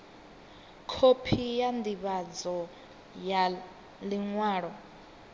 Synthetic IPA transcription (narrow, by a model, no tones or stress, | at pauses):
kʰopʰijandiβad͡zɔ | ja | liŋwaːɺɔ